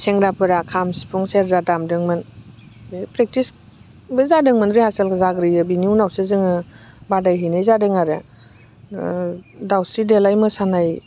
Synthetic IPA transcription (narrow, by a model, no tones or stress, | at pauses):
seŋɾapʰɯɾakʰamspʰuŋseɾzadamdɯŋmɯn | epɾek̚tis | bɯzadɯŋmɯnɾihaselkʰzaɡɾɯjɯbiniunawsɯzɯŋɯ | badajɦinɯjzadɯŋaɾɯ | dawsɾidelajmɯsanaj